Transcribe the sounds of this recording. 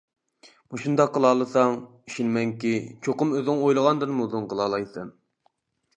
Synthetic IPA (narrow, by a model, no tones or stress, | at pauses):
muʃund̪ɑqʰːəlˠɑːlˠɨsɑŋ | i̥ʃinmɛŋkʲit͡ʃʰoqʊmøzɪŋojlˠəʁɑnd̪ɨnmuzɨŋqəlˠɑːlˠɑjsɨn